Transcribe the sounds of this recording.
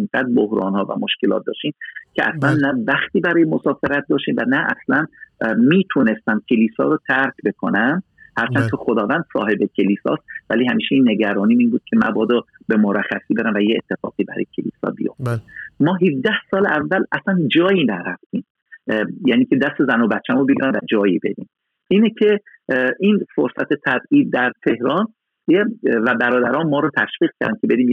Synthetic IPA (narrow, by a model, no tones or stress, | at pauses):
ŋɡæːd̪̚bohɾɒ̰ːnhɒːvæ̰moʃkelɒ̰ːt̪̚d̪ɒ̰ːʃiːmcʲʰeʔæ̰slænːævæxt̪iːbæɾɒːjemosɒːfeɾæt̪̚d̪ɒːʃt̪iːmvænæʔæ̰slænmiːt̪ʰune̞st̪æmcʲʰe̞liːsɒ̰ːɾot̪ʰæɾkʰbe̞kʰonæm | hæɾt͡ʃʰænkʰexod̪ɒːvænd̪̥sɒ̰ːhe̞becʲʰe̞liːsɒ̰ːst̪̚væliːhæmiːʃeiːnːe̞ɟæɾɒːniːiːnbuːd̪̥̚kʰemæ̰bɒːd̪ɔ | be̞moɾæxːæsiːbe̞ɾæmvæjeet̪ʰːe̞fɒ̰ːɡiːbæɾɒ̰ːjecʰḛlḭːsɒ̰ːbijo̰fd̪æmɒːɦivd̪æhsɒːleʔævːælʔæsænd͡ʒɒːjiːnæɾæft̪ʰiːm | jæːniːcʰed̪æst̪e̞zænobæt̪ːt͡ʃʰːæmobeɡḭːɾæmvæd͡ʒɒːjiːbe̞d̪ḭːm | iːnecʰe̞ | ʔiːnfoɾsæt̪ʰe̞t̪ʰæbiːd̪̚ːæɾt̪ʰe̞hɾɒːn | evæbæɾɒːd̪æɾɒːnmɒːɾɒːt̪ʰæʃbiːɣ̥̚cʰæɾd̪æncʰe̞be̞d̪iːm